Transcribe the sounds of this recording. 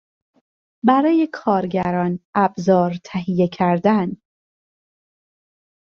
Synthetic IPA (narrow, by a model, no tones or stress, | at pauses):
bæɾɒːje̞kʰɒːɾɟæɾɒːnʔæbzɒːɾt̪ʰæɦijecʰæɾd̪æn